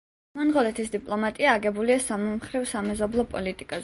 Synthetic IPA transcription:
mɔnʁɔlɛt̪ʰisd̪ipʼlˠɔmat̪ʼiaːɡɛbuliasamɔmχɾivsamɛzɔblˠɔpʼɔ̰lit̪ʼikʼaz

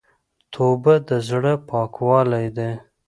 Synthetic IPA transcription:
t̪ʰobad̪əzɽəpɑkwɑlajd̪e

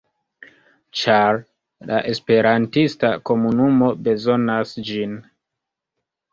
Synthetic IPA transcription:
t͡ʃaɾ | la̰ʔe̞spe̞ɾantistako̞munumo̞be̞zo̞nasd͡ʒin

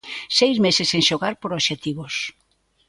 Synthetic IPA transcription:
sejzmesɪseŋʃoɣaɾpoɾoʃet̪iβos

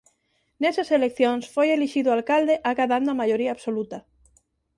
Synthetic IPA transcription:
neseselekθjõnsfojeliʃiðualkald̪eʔaɣaðand̪oamaʎoɾiaːβsolut̪a

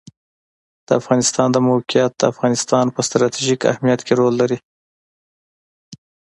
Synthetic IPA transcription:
d̪̥əafɣɑnɪst̪ɑnd̪əmokijat̪̚d̪̥əafɣɑnɪst̪ɑnpəst̪ɾɑt̪iʒika̰hmijat̪kʰeɾolːaɾi

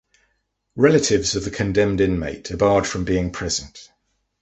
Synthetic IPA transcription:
ɹɛlətʰɪvzəvðəkʰə̃ndɛ̃mdɪ̃nmeɪt̚d̥ɪbɑːd̥fɹə̃mbiːɪ̃ŋpʰɹ̥ɛz̥ə̃nt

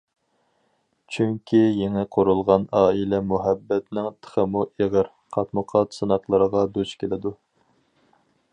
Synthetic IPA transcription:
t͡ʃʰyŋkʲʰijeŋɛqʰoɾulˠʁɑnɑːilɛmuɦɛbːɛt̪nɪŋt̪ʰə̥χəmuʔeʁəɾ | qʰɑt̪mɨqʰɑt̪sɨnɑqlˠəɾəʁɑd̪ut͡ʃkʲʰelɪd̪u

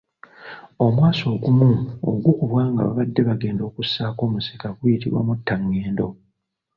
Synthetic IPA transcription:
o̞mwaːso̞ːɡumuo̰ɡukuβwaːŋɡa̰βa̰βadːe̞βaɡe̞ːndo̞ːkusːaːko̞ːmusi̥kaɡwujitḭβwa̰mutːaŋːeːndo̞

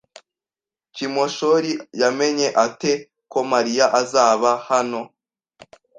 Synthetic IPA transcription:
kimoʃoɾijame̞ɲe̞ʔate | ko̞maɾijaʔazaːβahano̞

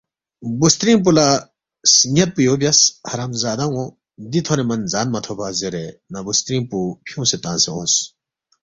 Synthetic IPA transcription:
bust̪ɾĩmp̬ula | sɲɐt̪̚pujoːbjɐshɐɾamzaːd̪ɐŋo | d̪it̪ʰoɾemɐnzaːnmɐt̪ʰopʰazeɾenɐbust̪ɾĩːnpupʰijũːset̪ãːnseõːs

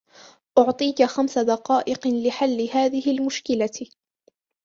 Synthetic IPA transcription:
ʔʊʕt̪ˤiːkaxamsad̪ɑqɑːʔɪqlɪħalːɪhaːðɪhɪlmʊʃkɪla

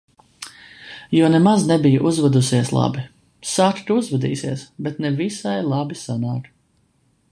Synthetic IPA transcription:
jɔɔnɛmaznɛbijuʔuzvad̪usiɛslˠa̰bi | saɾt̪uuzvɛd̪ḭːsiɛsbɛt̪nɛvisajlˠabisanaːk

